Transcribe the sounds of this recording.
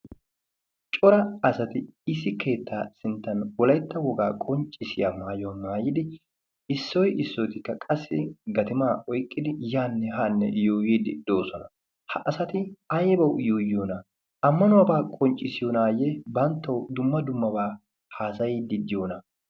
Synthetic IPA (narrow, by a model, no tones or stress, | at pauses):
t͡ʃʼɔɾɐɐsɐt̪ɪɪsɪke̞ːt̪ʰːaːsɪnt̪ːɐnwɔlɐjt̪ːɐwɔɡaːkʼɔnt͡ʃʼːɪsɪjamaːjɔnmaːjɪd̪ɪ | ɪsːɔjʔɪsːɔjt̪ɪkːɐkʼɐsːɪɡɐt̪ɪmaːɔjkʼːɪd̪ɪjaːnːɛɦaːnːɛ̰joːjiːd̪ɪd̪o̞ːsɔnɐ | hɐʔɐsɐt̪ɪɐjbɐwjoːjoːnɐ | ɐmːɐnʊwɐːbaːkʼɔnt͡ʃʼːɪsɪjoːnaːjebɐnt̪ːɐwd̪ʊmːɐd̪ʊmːɐbaː | haːsɐjid̪ɪd̪ɪjoːnɐ